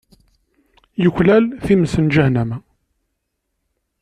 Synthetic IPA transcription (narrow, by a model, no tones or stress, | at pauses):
jəçlælθiməsənd͡ʒæhnæmæ